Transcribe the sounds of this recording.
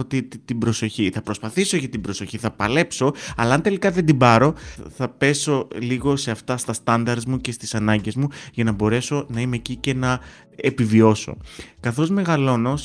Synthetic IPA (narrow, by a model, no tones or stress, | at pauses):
ot̪it̪ibɾo̞so̞çiθɐpɾo̞spɐθisoʝɐt̪ibɾo̞so̞çiθɐpɐle̞pso̞ɐlɐːnt̪e̞likɐðe̞nd̪ibɐɾo̞θɐpe̞so̞liɣo̞se̞ɐft̪ɐst̪ɐst̪ɐnd̪ɐɾzmuce̞st̪isɐnɐɲɟe̞zmuʝɐnɐbo̞ɾe̞so̞nɐimeːcice̞nɐ | epivio̞so̞̰kɐθo̞zme̞ɣɐlo̞no̞s